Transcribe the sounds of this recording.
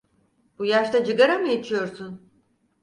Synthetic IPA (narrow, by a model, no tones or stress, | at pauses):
bujaʃt̪ad͡ʒɯɡaɾamɯjet͡ʃʰijo̞ɾsun